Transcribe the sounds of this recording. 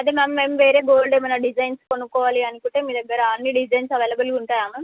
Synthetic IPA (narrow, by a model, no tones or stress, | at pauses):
ɐd̪imemʋemʋeːɾe̞ːɡoːlɖeːmɐnɐɖid͡ʒɐjnskonukɔːʋaːliɐnukuɳʈeːmiːd̪ɐɡːɐɾɐaːnːiːɖid͡ʒɐjnsɐʋeːlɐbɐluɳʈaːjaːmɐm